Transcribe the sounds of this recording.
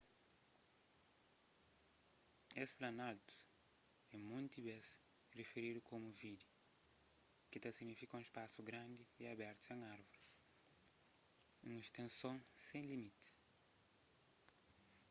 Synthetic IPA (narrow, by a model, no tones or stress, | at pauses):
esplanalt̪u̥s | ɛ̃mũnt̪ibɛs | refeɾid̪ʊkomʊvid̪ʊ | kɪt̪asiɡnifikɐũispasuɡɾãnd̪ɪiabɛɾt̪ʊ̥sẽŋaɾvʊɾi | ũnst̪ẽsõŋsẽj̃limit̪ɪ̥s